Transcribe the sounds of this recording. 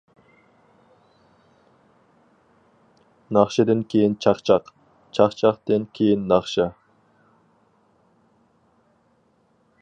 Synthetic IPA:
nɑχʃɑd̪ɪnkʲʰejint͡ʃʰɑqt͡ʃʰɑq | t͡ʃʰɑqt͡ʃʰɑqt̪enkʲʰejinːɑχʃɑ

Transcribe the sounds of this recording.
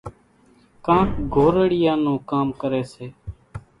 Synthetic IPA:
kãːkɡʱoːɾəɽɪjãːnũːkaːmkəɾeːseː

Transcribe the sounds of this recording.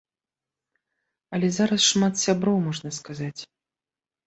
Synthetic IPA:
ɐlʲɛzaɾɐsʂmat̪sʲabɾɔwmɔʐnɐskazat͡sʲ

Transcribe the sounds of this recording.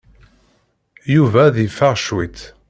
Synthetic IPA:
juvæðifːaʁʃwit̪

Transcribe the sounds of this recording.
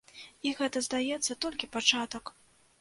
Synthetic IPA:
iɣɛt̪ɐzd̪ajɛt̪sːɐt̪ɔlʲkʲipat͡ʂat̪ɐk

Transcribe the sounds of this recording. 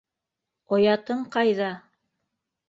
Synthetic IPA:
ojɑt̪ɤɴqɑjðɑ

